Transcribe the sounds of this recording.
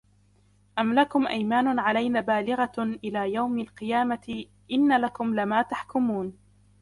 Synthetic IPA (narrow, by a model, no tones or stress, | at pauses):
ʔamlakʊmʔajmaːnʊʕalajnaːbaːlɪɣaʔɪlaːjawmalqɨjaːmaɪ | ʔɪnːalakʊmlɪmaːt̪aħkʊmuːn